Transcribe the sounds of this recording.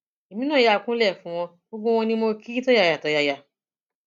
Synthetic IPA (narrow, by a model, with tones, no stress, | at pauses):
e˨mĩ˨˦nãː˦˨ja˨kũ˦lɛ˦˨fũ˨˦˧w̃ɔ̃˧ | o˦ɡ͡bõ˦w̃ɔ̃˧nĩ˦mo˧ki˦i˦tɔ˦ja˧˨ja˨tɔ˨˦ja˧ja˧